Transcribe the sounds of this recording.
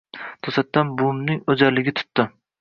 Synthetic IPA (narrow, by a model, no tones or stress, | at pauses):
t̪ʰosat̪ːanbʊmnɪŋod͡ʒaɾlɪɡʲɪt̪ʰʊ̥t̪ːɪ